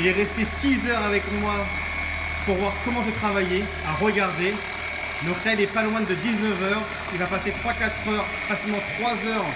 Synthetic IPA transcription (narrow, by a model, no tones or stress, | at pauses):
ilɛʁɛst̪esizœʁavɛkmwa | puʁvwaʁkɔmɑ̃ʒət̪χavaje | aʁəɡaʁd̪e | nɔt̪ɛlɛpalwɛ̃d̪əd̪iznəvœʁ | ilvapaset̪χwakat̪χœʁ | fasilmɑ̃t̪χwazœʁ